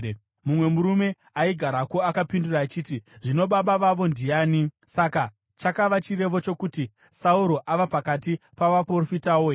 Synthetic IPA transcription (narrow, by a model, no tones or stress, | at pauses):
mumwe̞muɾume̞ | aiɡʱaɾakoakapinduraːt͡ʃiːtiʐino̞ɓaɓaʋaʋo̞ndijaːnisaka | t͡ʃakaʋat͡ʃire̞ʋo̞t͡ʃo̞kuti | sauɾo̞ʔaʋapakatipaʋaprorofitawo